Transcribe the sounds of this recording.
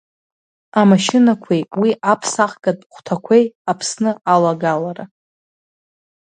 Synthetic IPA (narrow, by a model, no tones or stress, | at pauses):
amaʃɪnakʷʰejwiʔapʰsaχɡʼadʼχʷtʰakʷʰe̞japʰsnɨalaɡalaɾa